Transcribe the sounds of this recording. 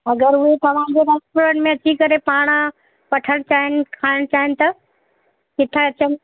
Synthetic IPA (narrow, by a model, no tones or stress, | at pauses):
ɐɡəɾʊɦet̪ɐʋ̤ãd͡ʑeɾɐspʊɾənɪ̆mẽɐt͡ɕikɐɾepaːɽ̃ | pɐʈʰəɽ̃t͡ɕaːɦɪnɪ̆kʰaːɪɽ̃t͡ɕaːɦɪnɪ̆t̪ɐ | kɪt̪ʰaɐt͡ɕən